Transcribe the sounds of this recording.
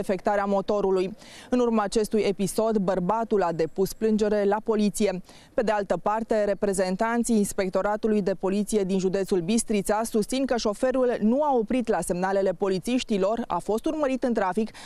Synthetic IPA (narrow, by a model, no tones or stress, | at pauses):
efe̞kt̪aɾeamo̞t̪o̞ɾuluj | ɨnurmaːt͡ʃe̞st̪uje̞piso̞d̪bərbat̪ulad̪e̞pusplɨnd͡ʒe̞ɾe̞lapo̞lit̪sije̞ | pe̞d̪ealt̪əpart̪e̞ɾe̞pɾe̞ze̞nt̪ant̪sijːnspe̞k̚t̪o̞ɾat̪ulujd̪e̞po̞lit̪sije̞d̪inʒud̪et̪sulbist̪ɾit̪sasust̪sinkəʃo̞fe̞ɾulnuao̞pɾit̪lase̞mnale̞le̞po̞lit̪siʃt̪ilo̞ra̰fo̞st̪urməɾit̪ɨnt̪ɾafik